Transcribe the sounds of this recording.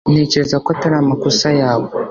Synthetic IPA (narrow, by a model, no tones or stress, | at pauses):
ne̞ce̞ɾezakoataɾaːmakusajaːβo